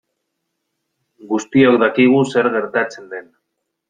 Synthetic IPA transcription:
ɡust̪iokd̪akiɣ̞use̞ɾɣe̞ɾt̪at͡se̞nd̪e̞n

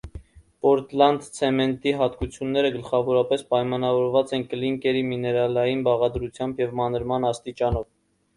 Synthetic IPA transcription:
pɔɾt̪lɑnd̪t͡sʰɛmɛnt̪iɦɑt̪kut͡sʰjunːɛɾəɡəlχɑvɔɾɑpɛspɑjmɑnɑvɔɾvɑt͡sɛnkəliŋkɛɾiminɛɾɑlɑjinbɑʁɑd̪ɾut͡sʰjɑmbjɛvmɑnəɾmɑnɑst̪it͡ʃɑnɔv

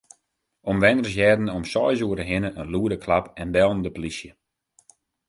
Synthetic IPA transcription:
ɔmʋɛnərs̬jɛːdn̩ɔmsɔjzuəɾəɦɪnəʔənluədəkʰlapɛnbɛlˠndəpolisjə

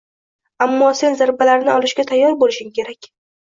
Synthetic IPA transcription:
amːɒse̞nzaɾbalaɾɪnɪʔɒlɪʃɡʲat̪ʰajːɒɾbolɪʃɪŋkʲʰe̞ɾakʲ

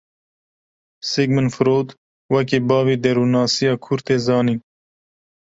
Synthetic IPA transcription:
siɡmɨnfɨɾoːd̪ | wɛk̬iːbɑːviːd̪ɛɾuːnɑːsijɑːkʰʊɾt̪eːzɑːniː

